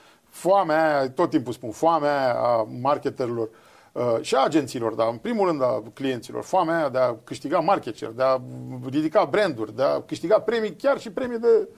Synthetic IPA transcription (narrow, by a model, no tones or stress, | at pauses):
foameajat̪ot̪ːimpulspunfoameajaa̰markʲet̪eɾilo̞r | əʃiaːd͡ʒent̪siːlo̞̰rd̪aɨnpɾimulrɨnd̪aklije̞nt̪silo̞̰rfoameajad̪eakɨʃt̪iɡamarkʲe̞t͡ʃḛrd̪earid̪ikabɾe̞nd̪urʲd̪ea̰kɨʃt̪iɡapɾe̞mikʲarʃipɾe̞mid̪e̞